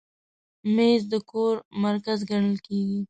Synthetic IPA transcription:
mezd̪əkoɾmaɾkazɡaɽ̃əlkeɡi

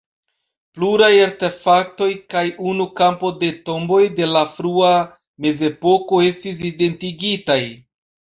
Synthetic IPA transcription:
pluɾajaɾte̞fak̚to̞jkajʔunukampo̞de̞to̞mbo̞jde̞lafɾua | me̞ze̞po̞ko̞e̞stis̬ide̞ntiɡitaj

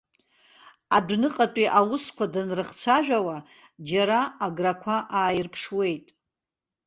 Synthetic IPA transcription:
adnɨqʼatʷʼiʔawʊskʷʰadanrɨχt͡sʷʰaʒᶣawa | d͡ʒaɾaːɡrakʷʰaʔaːjɪrpʰʂwe̞jtʼ

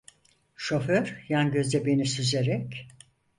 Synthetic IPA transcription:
ʃo̞føɾjanɟø̞zd̪ɛbe̞nisyzeɾɛc

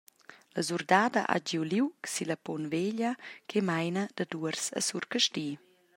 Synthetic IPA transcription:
lazuɾd̪aːd̪aʔa̰d͡ʒiwliwksilapɔnveʎakʰemajnəd̪əd̪uəɾsə̰suɾkəʃtiː

